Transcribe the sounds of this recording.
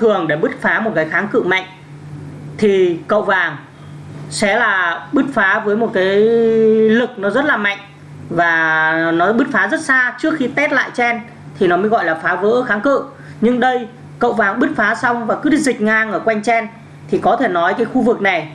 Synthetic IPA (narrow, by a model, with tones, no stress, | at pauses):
t̪ʰɨ˨˩əŋɗe˧˩ɓɨ˦˥t̚faː˨˦mo˨˩t̚kaː˨˦jxaː˨˦ŋkɨ̰˧˨ma̰˧˨jŋ̟ | t̪ʰi˨˩kə̰˧˨wvaː˨˩ŋ | sɛ̰˧˥laː˨˩ɓɨ˦˥t̚faː˨˦vəː˨˦jmo˨˩t̚kaː˨˦j | lɨ˨˩k̚nɔ˨˦zə˦˥t̚laː˨˩ma̰˧˨jŋ̟ | vaː˨˩nɔ˨˦jɓɨ˦˥t̚faː˨˦zə˦˥t̚saː˧t͡ɕɨ˦˥ək̚xi˧t̪ɛ˦˥t̚la̰ː˧˨jt͡ɕɛ˧n | t̪ʰi˨˩nɔ˨˦məː˨˦jɣɔ̰˧˨jlaː˨˩faː˨˦və̰ː˧˥xaː˨˦ŋkɨ̰˧˨ | ɲɨ˧ŋɗə˧j | kə̰˧˨wvaː˨˩ŋɓɨ˦˥t̚faː˨˦sa˧wŋ͡mvaː˨˩kɨ˦˥zï˨˩k̟̚ŋaː˧ŋʔəː˧˩kwa˧jŋ̟t͡ɕɛ˧n | t̪ʰi˨˩kɔ˨˦t̪ʰe˧˩nɔ˨˦jkaː˨˦jxu˧vɨ˨˩k̚na˨˩j